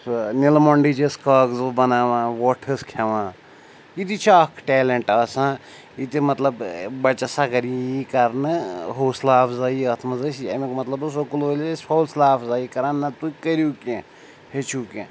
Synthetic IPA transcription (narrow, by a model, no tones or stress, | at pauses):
snilmoɳɖid͡ʒeskɐːɡzbɐnaːʋãːwoːʈʰɐskʰeʋãː | it̪it͡ʃʰakʰʈeːleɳʈɐːsã | it̪imɐt̪lɐbbɐt͡ʃasakɐɾiikɐɾnɨɦoːslaːfʰzaːiɐt̪ʰmɐzəsiɐ̰mekmɐt̪lɐbus̬okuloːlsʰoːlslaːfʰzaːikɐɾãːnːɐt̪ukəɾjuːkẽ | het͡ʃʰuːkḛ̃